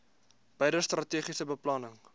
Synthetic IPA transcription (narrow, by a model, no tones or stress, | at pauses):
b̥ɛjdəst̪rɐtiːχisəbəplɑnəŋ